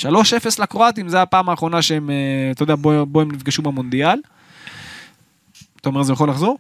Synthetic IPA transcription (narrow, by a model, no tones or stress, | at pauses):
ʃalo̞ʃe̞feslakʁoat̪imzeapaːmaːχʁo̞naʃeemet̪ad̪eabobo̞emnifɡaʃubemond̪ial | t̪aome̞ʁzejaχo̞laχzo̞ʁ